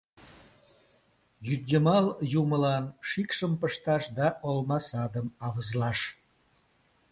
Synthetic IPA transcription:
jyd̪ʲjʲemɑljuməlɑnʃikʃəmpəʃt̪ɑʃd̪ɑʔolmɑsɑd̪əmɑβəzlɑʃ

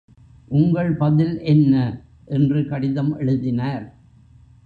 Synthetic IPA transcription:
ʔʊŋɡɐɭpɐðɪlʔɛnːɐ | ʔɛndrɯkɐɽɪðɐmʔɛɻɯðɪnaːɾ

